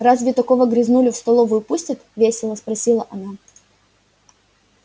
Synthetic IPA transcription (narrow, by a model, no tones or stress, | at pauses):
razvʲɪt̪ɐkovəɡɾʲɪznulʲɪfst̪ɐlˠovʊjʊpusʲtʲət̪vʲesʲɪlˠəspɾɐsʲilˠəʔɐna